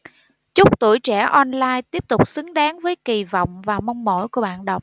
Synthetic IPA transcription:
t͡ɕʊ˦˥k͡p̚t̪ṵ˧˩əjt͡ɕɛ˧˩ʔɔ˧nlaː˧jt̪i˦˥əp̚t̪ʊ˨˩k͡p̚sɨ˨˦ŋɗaː˨˦ŋvəː˨˦jki˨˩vɔ̰˧˨wŋ͡mvaː˨˩mɔ˧wŋ͡mmo̰˧˩˨jku˧˩əɓaː˧˨nɗə˨˩wk͡p̚

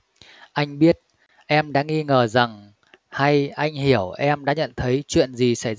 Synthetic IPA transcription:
ʔa˧jŋ̟ɓi˦˥ət̚ | ʔɛ˧mɗa̰ː˧˥ŋi˧ŋəː˨˩za˨˩ŋ | ha˧jʔa˧jŋ̟hi˧˩əwʔɛ˧mɗa̰ː˧˥ɲə̰˧˨nt̪ʰə˨˦jt͡ɕwḭ˧˨ənzi˨˩sa˧˩j

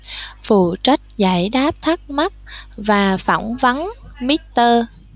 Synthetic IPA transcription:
fṵ˧˨t͡ɕa˦˥jk̟̚za̰˧˩jɗaː˦˥p̚t̪ʰa˦˥k̚ma˦˥k̚vaː˨˩fa̰˧˩wŋ͡mvə˨˦nmi˦˥t̚t̪əː˧

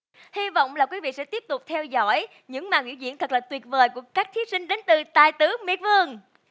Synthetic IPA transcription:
hi˧va̰˧˨wŋ͡mlaː˨˩kwi˨˦vḭ˧˨sɛ̰˧˥t̪i˦˥əp̚t̪ʊ˨˩k͡p̚t̪ʰɛ˧wzɔ̰˧˥j | ɲɨ̰˧˥ŋmaː˨˩ŋʔi˧˥wzḭ˧˥ənt̪ʰə˨˩k̚laː˨˩t̪wi˨˩ət̚vəː˨˩jku˧˩əkaː˦˥k̚t̪ʰi˨˦sï˧ŋ̟ɗe˨˦nt̪ɨ˨˩t̪a̰ː˨˩jt̪ɨ˨˦mḭ˧˩ən̚vɨ˧əŋ

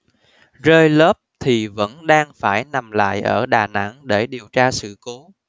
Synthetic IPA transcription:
zəː˧jləː˦˥p̚t̪ʰi˨˩və̰˧˥nɗaː˧ŋfaː˧˩jna˨˩mla̰ː˧˨jʔəː˧˩ɗaː˨˩na̰˧˥ŋɗe˧˩ɗi˨˩əwt͡ɕaː˧sɨ̰˧˨ko˨˦

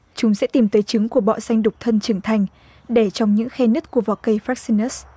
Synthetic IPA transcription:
t͡ɕʊ˨˦ŋ͡msɛ̰˧˥t̪i˨˩mt̪əː˨˦jt͡ɕɨ˨˦ŋku˧˩əɓɔ̰˧˨sa˧jŋ̟ɗʊ˨˩k͡p̚t̪ʰə˧nt͡ɕɨ˧˩ŋt̪ʰa˧jŋ̟ | ɗe˧˩t͡ɕɔ˧wŋ͡mɲɨ̰˧˥ŋxɛ˧nɨ˦˥t̚ku˧˩əvɔ˨˩kə˧jfaː˦˥k̚si˧nə˦˥s

